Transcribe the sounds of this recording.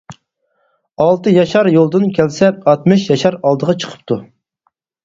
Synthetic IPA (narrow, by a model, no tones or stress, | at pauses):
ɑlˠt̪ɨjɑʃɑɾjolˠd̪ɨnkʲʰɛlsɛɑt̪mɨʃjɑʃɑɾɑlˠd̪əʁɑt͡ʃʰə̥qʰə̥p̚t̪ʰu